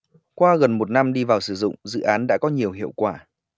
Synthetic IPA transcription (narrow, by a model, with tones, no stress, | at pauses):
kwaː˧ɣə˨˩nmo˨˩t̚na˧mɗi˧vaː˨˩wsɨ˧˩zʊ̰˧˨ŋ͡mzɨ̰˧˨ʔaː˨˦nɗa̰ː˧˥kɔ˨˦ɲi˨˩əwɦḭ˧˨əwkwaː˧˩